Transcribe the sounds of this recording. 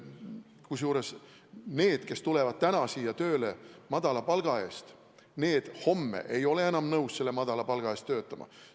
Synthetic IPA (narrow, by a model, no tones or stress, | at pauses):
kusjuːɾe̞s | ne̞ːd̪̥ke̞st̪ule̞vɑd̪̥̚t̪ænɑsiːjɑt̪ø̞ːlemɑd̪̥ɑlɑpɑlɡ̥ɑe̞ːst̪ | ne̞ːd̪̥ho̞mːḛʔe̞jo̞le̞enɑmnɤwsse̞lːemɑd̪̥ɑlɑpɑlɡ̥ɑe̞ːst̪ːøːt̪ːˑɑmɑ̰